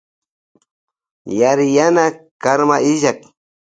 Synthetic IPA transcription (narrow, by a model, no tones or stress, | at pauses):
jaɾɪjanakaɾmaɪʒak